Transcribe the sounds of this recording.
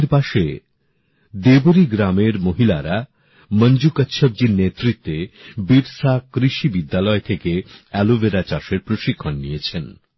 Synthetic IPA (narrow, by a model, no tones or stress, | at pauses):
ɾpaʃe | d̪eboɾiɡɾameɾmoɦila̰ɾa | mənd͡ʑukətːɕʰob̚d͡ʑiɾnet̪ɾit̪ːebiɾsakɾiʃibid̪ːalɔet̪ʰekeɛlobeɾat͡ɕaʃeɾpɾoʃikʰːonːijet͡ɕʰen